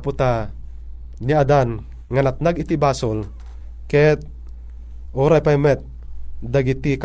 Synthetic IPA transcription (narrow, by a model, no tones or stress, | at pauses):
pʊt̪a | niad̪an | ŋanat̪̚naɡit̪ibaːsol | kɛt̪̚ | ʔoːɾajpajmɛt̪̚ | d̪aɡit̪ik